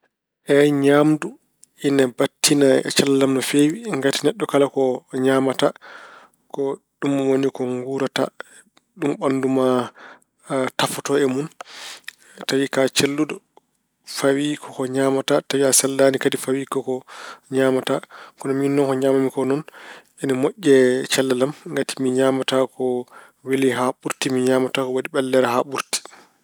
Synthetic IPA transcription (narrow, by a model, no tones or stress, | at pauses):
ʔɛɲamdu | inabatʰːinaɛ̰t͡ʃalːamnɔfewiŋɡatinɛɗːɔkalakɔɲaːmata | kɔ | ɗumːwonikɔŋɡuːɾata̰ | ɗumɓanduma | tafɔtɔɛmun | tawikat͡ʃelːudɔ | fawikʰɔkɔɲamatatawiasɛldaːnikadifawikɔkɔɲaːmatakɔnɔminːɔnkɔɲamamikɔnɔn | ɛnimoʔʲːɛt͡ʃɛlːɛlamŋɡati̥miɲamatakɔ | wiliɦaɓuɾtimiɲaːmatakɔwadiɓɛlːɛɾaɦaɓuɾti̥